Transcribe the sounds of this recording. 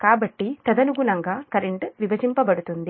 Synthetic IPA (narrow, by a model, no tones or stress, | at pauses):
kaːbɐʈːit̪ɐd̪ɐnuɡunɐŋɡaːkɐɾeɳʈʋiʋɐd͡ʒimpɐbɐɽut̪und̪i